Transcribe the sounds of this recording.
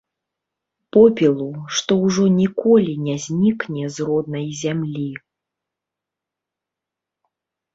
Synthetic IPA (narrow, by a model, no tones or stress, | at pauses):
pɔpʲilˠuʂt̪ɔwʐɔnʲikɔlʲinʲazʲnʲiknʲɛzrɔd̪̚nɐjzʲamlʲi